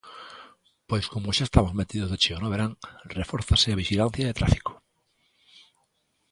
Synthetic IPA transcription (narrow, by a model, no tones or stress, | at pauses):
pojskomoʃaest̪amozmet̪iðozðet͡ʃionoβeɾaŋrefoɾθasɪaβ̞iʃilan̟θjaet̪ɾa̰fi̥ko̥